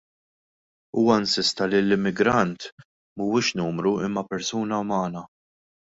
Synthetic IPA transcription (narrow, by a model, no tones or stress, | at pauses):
uːwɐɪnsɪst̪ɐlilːɪmːɪɡɾɐnt̪ | muwɪːʃnuːmɾuɪmːɐpɛɾsuːnɐmɐːnɐ